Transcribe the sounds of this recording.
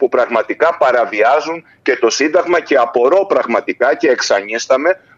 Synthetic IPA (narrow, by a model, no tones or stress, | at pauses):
pupɾɐɣmɐt̪ikɐpɐɾɐviɐzuɲ | ce̞t̪o̞sind̪ɐɣmɐce̞ɐpo̞ɾo̞pɾɐɣmɐt̪ikɐce̞ːksɐɲist̪ɐme̞